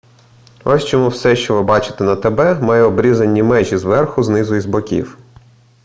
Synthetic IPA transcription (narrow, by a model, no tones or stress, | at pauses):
ɔsʲt͡ʃɔmuwsɛʃt͡ʃɔʋɪbɑt͡ʃɪ̥t̪enɐt̪ebɛmɑjɛɔbɾʲizɐnʲːimɛʒʲizʋɛrxʊznɪzʊizbɔkʲḭw